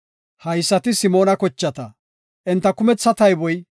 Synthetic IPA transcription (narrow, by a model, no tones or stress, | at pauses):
hɐjsːɐt̪ɪsɪmo̞ːnɐkɔt͡ʃːɐt̪ɐ | ʔɪnt̪ːɐkʊmɛt͡sːɐt̪ɐjbɔj